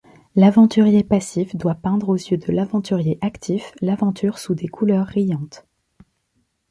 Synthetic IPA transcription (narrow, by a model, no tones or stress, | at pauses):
lavɑ̃t̪yʁjepasifd̪wapɛ̃d̪ʁozjød̪əlavɑ̃t̪yʁjeʔakt̪ʰiflavɑ̃t̪ʰyʁsud̪ekʰulœʁːijɑ̃t̪